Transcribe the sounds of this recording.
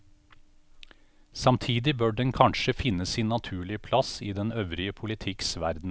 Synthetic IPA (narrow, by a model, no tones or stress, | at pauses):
sɑmt̪ʰiːd̪ɪbøːɖɛnkʰɑnʃəfɪnəssɪːnːɑt̪ʰʉːɭɪəpʰlɑsiːd̪ɛnœʋɾɪəpʰʊlɪt̪ʰɪksʋæ̰ɾd̪n̩